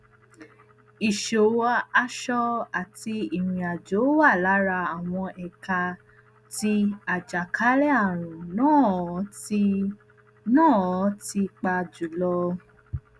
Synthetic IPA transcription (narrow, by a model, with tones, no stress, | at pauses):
i˨ʃo˨wa˧a˧ʃɔ˧a˨ti˧i˨ɾ̃ĩ˨a˨d͡ʒo˨˦wa˦˨la˨˦ɾa˧a˨w̃ɔ̃˧ʔɛ˨ka˧ | ti˧a˨d͡ʒa˨kʰa˨˦ɾɛ˦a˦˨ɾ̃ũ˨nãː˦˨˦ | nãː˦˨˦ti˧k͡pa˧d͡ʒu˨lɔ˧